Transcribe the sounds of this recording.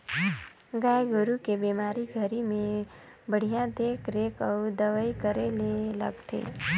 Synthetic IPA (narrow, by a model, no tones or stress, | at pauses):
ɡaːjɡʊɾukebeːmaːɾiɡʱəɾimẽ | bəɽ̤ijãd̪ekɾeːkəud̪əʋəikəɾelelə̰ɡt̪ʰḛː